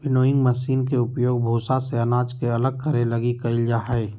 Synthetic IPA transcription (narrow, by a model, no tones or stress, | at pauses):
bɪnoːɪ̃ŋɡmɐsiːnk̬eʊpjoːɡ̚bʱoːsaseɐnaːd͡ʒkeɐləɡ̚kəɾelɐɡikɐɪld͡ʒaːɦɛe